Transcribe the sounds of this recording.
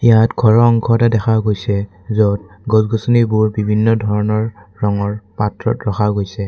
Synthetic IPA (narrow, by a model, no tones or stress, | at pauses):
ijatɡʱɔɹɔɔŋkʰɔtadɛxʰaɡojsɛ | zɔt̚ | ɡɔzɡɔsɔnibuɹbibʱinːɔdʱɔɹɔnɔɹɹɔŋɔɹpatɹɔ̰tɹɔxʰaɡojsɛ